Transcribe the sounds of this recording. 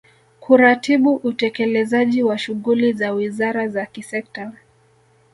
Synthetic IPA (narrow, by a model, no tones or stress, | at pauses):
kʰuɾatʰiɓuʔutɛkɛlɛzaʄiwaʃuɣulizawizaɾazakisɛk̚ta